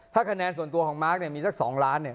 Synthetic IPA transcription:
t̪ʰaː˥˩kʰa˧nɛː˧nsu˨˩ənt̪u˧ɐkʰɔː˩˦maː˦˥k̚ni˥˩ɐmiː˧sa˦˥˩k̚sɔ̰ː˩˦ŋɾaː˦˥nːi˥˩ɐ

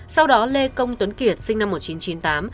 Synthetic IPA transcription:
sa˧wɗɔ˨˦le˧kə˧wŋ͡mt̪wə˨˦nki˨˩ət̚sï˧ŋ̟na˧mːo˨˩t̚t͡ɕi˨˦nt͡ɕi˨˦nt̪aː˨˦m

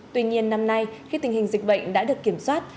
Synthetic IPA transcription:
t̪wi˧ɲi˧ənːa˧mna˧jxi˧t̪i˨˩hi˨˩ŋ̟zï̟˨˩ɓə̰˧˨ŋ̟ɗa̰ː˧˥ɗɨ˨˩əkːi˧˩əmswaː˦˥t̚

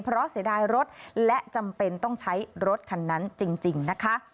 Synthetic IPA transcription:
pʰɾɔ˦˥si˩˦daː˧jɾo˦˥t̪̚lɛ˦˥ʔt͡ɕa˧mpe˧nt̪ɔ˥˩ŋt͡ɕʰa˦˥jɾo˦˥t̪̚kʰa˧nːa˦˥nt͡ɕi˧ŋt͡ɕi˨˧ŋna˦˥kʰa˦˥

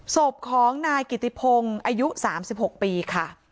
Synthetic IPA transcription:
so˨˩p̚kʰɔː˩˦ŋnaː˧jki˨˩t̪ːi˧˩pʰo˧ŋʔaː˧ju˦˥saː˩˦msi˨˩p̚ho˨˩k̚piː˧kʰa˥˩

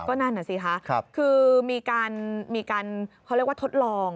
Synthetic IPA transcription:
kɔː˥˩na˥nːa˨˩si˨˩kʰa˦˥˦kʰɯː˧miː˧kaː˧nmiː˧kaː˧nkʰɾkwa˥˩t̪ʰo˦˥t̪̚lɔː˧ŋ

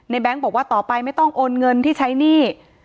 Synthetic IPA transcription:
na˧jbɛ˦˥ŋbɔː˨˩k̚waː˥˩t̪ɔː˨˩pa˧jma˥˩jt̪ɔ˥˩ŋʔoː˧nŋɤ˧nt̪ʰiː˥˩t͡ɕʰa˦˥jniː˥˩

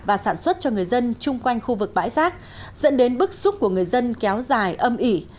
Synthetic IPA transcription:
vaː˨˩saː˧˩nswə˦˥t̚t͡ɕɔ˧ŋɨ˨˩əjzə˧nt͡ɕʊ˧ŋ͡mkwa˧jŋ̟xu˧vɨ˨˩k̚ɓa̰ː˧˥jsaː˦˥k̚ | zə̰˧˥nɗe˨˦nɓɨ˦˥k̚z̥ʊ˦˥k͡p̚ku˧˩əŋɨ˨˩əjzə˧nkɛ˨˦wzaː˨˩jʔə˧mʔi˧˩

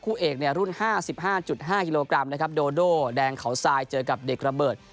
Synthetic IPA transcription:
kʰuː˥˩ʔeː˨˩k̚ni˥˩ɐɾu˥˩nhaː˥˩si˨˩p̚haː˥˩t͡ɕu˨˩t̪̚ɦaː˥˩ki˧loː˧kɾa˧mna˦˥kʰp̚doː˧doː˥˩dɛː˧ŋkʰa˩˦wsaː˧jt͡ɕɤː˧ka˨˩p̚de˨˩k̚ɾa˧bɤː˨˩t̪̚

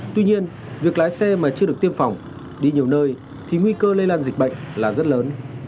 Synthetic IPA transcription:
t̪wi˧ɲi˧ən | vi˨˩ək̚laː˨˦jsɛ˧maː˨˩t͡ɕɨ˧əɗɨ˨˩əkt̪i˧əmfa˨˩wŋ͡m | ɗi˧ɲi˨˩əwnəː˧j | t̪ʰi˨˩ŋwi˧kəː˧lə˧jlaː˧nzi˨˩k̚ɓə̰˧˨jŋ̟laː˨˩zə˦˥t̚ləː˨˦n

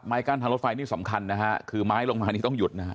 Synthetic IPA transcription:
p̚maː˦˥jkaː˧˥˩nʰaː˧ɾo˦˥t̪̚fa˧jniː˥˩sa˩˦mkʰa˧nːa˦˥kʰa˦˥kʰɯː˧maː˦˥jlo˧ŋmaː˧niː˥˩t̪ɔ˥˩ŋju˨˩t̪̚na˦˥ka˦˥

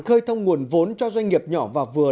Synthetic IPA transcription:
xəː˧jt̪ʰə˧wŋ͡mŋu˨˩ənvo˨˦nt͡ɕɔ˧zwa˧jŋ̟ŋi˨˩əp̚ɲɔ˧˩vaː˨˩vɨ˨˩ə

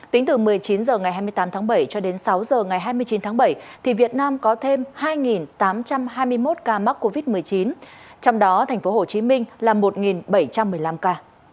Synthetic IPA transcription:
t̪i˨˦ŋ̟t̪ɨ˨˩mɨ˨˩əjt͡ɕi˨˦nzəː˨˩ŋa˨˩jhaː˧jmɨ˧əjt̪aː˨˦mt̪ʰaː˨˦ɓə˧˩jt͡ɕɔ˧ɗe˨˦nsa˨˦wzəː˨˩ŋa˨˩jɦaː˧jmɨ˧əjt͡ɕi˨˦nt̪ʰaː˨˦ŋɓə˧˩jt̪ʰi˨˩vi˨˩ət̚naː˧mkɔ˨˦t̪ʰe˧mhaː˧jŋi˨˩nt̪aː˨˦mt͡ɕa˧mɦaː˧jmɨ˧əjmo˦˥t̚kaː˧ma˦˥k̚ko˧vi˦˥t̚mɨ˨˩əjt͡ɕi˨˦nt͡ɕɔ˧wŋ͡mɗɔ˨˦t̪ʰɛ˨˩ŋ̟fo˨˦ho˨˩t͡ɕi˨˦mï˧ŋ̟laː˨˩mo˨˩t̚ŋi˨˩nɓə˧˩jt͡ɕa˧mːɨ˨˩əjla˧mkaː˧

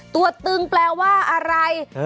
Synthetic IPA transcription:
t̪u˧˩ɐt̪ːɯ˧ŋplɛː˧waː˥˩ʔa˧ɾa˧j

